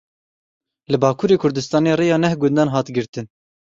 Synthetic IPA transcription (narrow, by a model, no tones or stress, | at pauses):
lɨbɑːkʰuːɾeːkʰʊɾd̪ɨst̪ɑːneːreːjɑːnɛhɡʊnd̪ɑːnɦɑːt̪ɡɨɾt̪ɨn